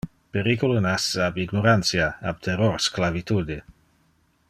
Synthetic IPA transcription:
peɾikulunasabiɡnoɾansjaab̥̚t̪ʰɛroɾsklavit̪ud̪i

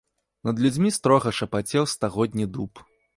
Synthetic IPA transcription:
nɐd̪lʲud͡zʲmʲist̪ɾɔɣɐʂɐpat͡sʲɛwst̪aɣɔd̪ʲnʲid̪up

